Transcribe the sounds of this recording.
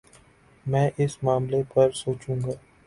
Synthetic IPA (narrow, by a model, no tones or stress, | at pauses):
mɛ̃ːʔɪsmaːmlepɐɾsoːt͡ʃũːŋɡaː